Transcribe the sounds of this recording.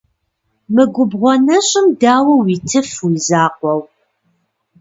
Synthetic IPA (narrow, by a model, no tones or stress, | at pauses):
mɨɡʷʊbʁʷɔnɐɕʼɪmdaːwɐwitʰɨfwiːzaːqʷɔw